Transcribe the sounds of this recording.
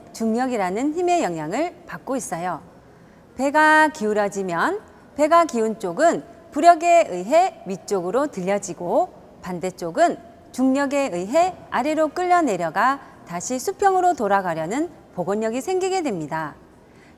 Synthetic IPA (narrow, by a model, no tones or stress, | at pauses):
t͡ɕuŋɲʌɡiɾanɯnçime̞jʌŋɦjaŋɯɭpak̚k͈ois͈ʌjo | pe̞ɡakiuɾjʌd͡ʑimjʌn | pe̞ɡakiunt͡ɕ͈oɡɯnpuɾjʌɡe̞ɯjɦe̞ɥit͡ɕ͈oɡɯɾotɯʎːʌd͡ʑiɡo | pande̞t͡ɕ͈oɡɯn | t͡ɕuŋɲʌɡe̞ɯjɦe̞aɾeɾok͈ɯʎːʌne̞ɾjʌɡa | taɕʰisʰupʰjʌŋɯɾotoɾaɡaɾjʌnɯn | poɡoɲːʌɡisʰe̞ŋɡiɡe̞dwemɲida